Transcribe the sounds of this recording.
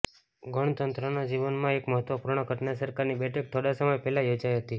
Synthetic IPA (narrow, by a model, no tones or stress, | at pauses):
ɡəɳ̃t̪ənt̪ɾənad͡ʒiʋənmãekməɦət̪ʋəpuɾɳ̃əɡʱəʈnasəɾkaɾnibɛʈʰək̚t̪ʰoɽasəməjpɛɦlajod͡ʒajɦət̪i